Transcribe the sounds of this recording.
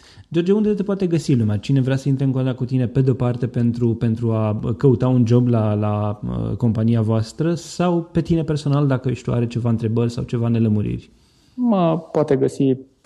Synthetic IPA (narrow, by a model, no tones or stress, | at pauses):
d͡ʒo̞rd͡ʒound̪et̪epoat̪e̞ɡəsilumat͡ʃine̞vɾʲasəint̪ɾeɨŋkot̪ɾakut̪ine̞pe̞d̪eo̞part̪e̞pe̞nt̪ɾupe̞nt̪ɾuakəut̪aund͡ʒo̞blalaə̰ko̞mpaniavoast̪ɾəsawpe̞t̪ine̞pe̞rso̞nald̪akəɨʃʲt̪ua̰ɾe̞t͡ʃe̞vaɨnt̪ɾe̞bərʲsa̰wt͡ʃe̞vane̞ləmuɾḭrʲ | məpoat̪e̞ɡəsi